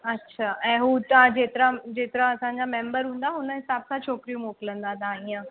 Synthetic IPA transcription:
ətːɕʰaːʔɛ̃ɦut̪ãd͡ʑeːt̪əɾãd͡ʑeːt̪əɾãɐsãɲd͡ʑamẽːmbəɾɦũːn̆d̪aɦʊnəɦɪsaːbsat͡ɕʰoːkɾijũmoːklə̃nd̪ad̪ãĩə̃

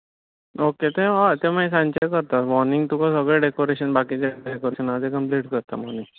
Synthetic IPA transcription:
oket̪ẽat̪ẽmajs̬ãnt͡ɕekəɾt̪at̪mɔniŋɡt̪ukasəɡɭeɖekoɾeɕənbakid͡ʑaɖekoɾeɕənaəd̪ekəmpliːʈkəɾt̪amɔnĩŋ

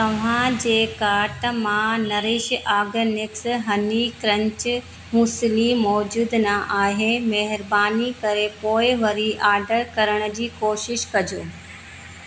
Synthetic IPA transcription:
t̪ɐʋ̤ãd͡ʑeːkaːɾʈmãnɐɾɪʃaːɡənɪksɦɐnikɾɐ̃ɲt͡ɕ | muslimɔːd͡ʑuːd̪nɐʔaːɦemɛɦɪɾbaːnikɐɾepoːɪʋɐɾiʔaːɖəɾkɐɾəɽ̃ə̆d͡ʑiːkoːʃɪʃkɐd͡ʑoː

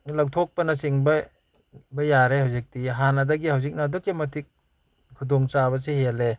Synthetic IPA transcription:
lawtʰɔk̚pɐnɐsiŋbɐ | bɐjaɾeɦawzik̚tiɦanɐdɐɡiɦawzik̚nadɔkːimɐtʰik̚ | kʰudɔŋt͡ʃabɐs̬eɦele

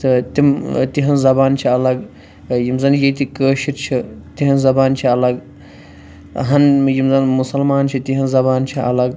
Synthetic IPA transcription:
t̪ɨt̪imt̪iɦɐnzɐbaːnt͡ʃʰiɐlɐɡ | jimzɐnjet̪ikəːʃiɾt͡ʃʰit̪iɦɐnzɐbaːnt͡ʃʰiɐlɐɡ | ɦɐnjimzɐnmusɐlmaːnt͡ʃʰit̪iɦɐnzɐbaːnt͡ʃʰiɐ̰lɐɡ

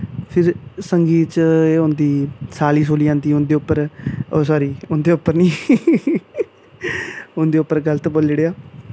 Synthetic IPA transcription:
pʰɪɾsəŋɡiːt͡ʃeːõnd̪iːsaːliːs̬oːliːãːnd̪iːʊnd̪eːʊpːəɾoːsɔːɾiːʊnd̪eːʊpːəɾniː | ʊnd̪eːʊpːəɾɡələt̪boːlːeɽeːaː

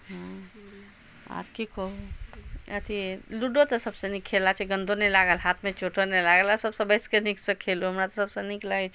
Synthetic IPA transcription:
ɦə̃ | a̰ɾkikou | ət̪ʰiluɖot̪ɔsəbsə̃nikʰelat͡ʃʰɛɡə̃nd̪ʱonɛlaɡəlɦat̪ʰmẽt͡ʃoʈənɛlaɡəlasəbsə̃bəskeniksə̃kʰeluɦəmɾat̪ɔsəbsə̃niklait͡ʃʰ

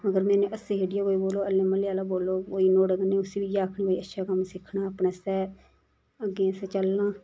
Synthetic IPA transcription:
əɡəɾmɛ̃ːnẽːʔəsẽːɦeːɖɪjaːkoːiboːloːəlːẽːməljaːlaːboːloːkoːiːnoːɖəɡneːʊsiːʋiːjaːkʰnĩːoːiːətːʃʰaːkəmsɪkʰnaːaːpnãːsɛː | əɡẽːəsɛːt͡ʃəlnãː

